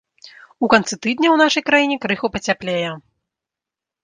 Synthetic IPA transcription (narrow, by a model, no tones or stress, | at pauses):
ukant̪sɨt̪ɨd̪nʲɐwnaʂɐjkɾajinʲɛkɾɨxupɐt͡sʲaplʲejɛ